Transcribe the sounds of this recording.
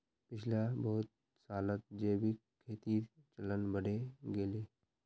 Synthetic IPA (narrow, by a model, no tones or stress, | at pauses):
pɪt͡ʃʰlabɔɦʊt̪̚ | saːlət̪̚d͡ʒeːbʱi | kʰeːt̪it͡ʃɐlənbəɽeɡeːleː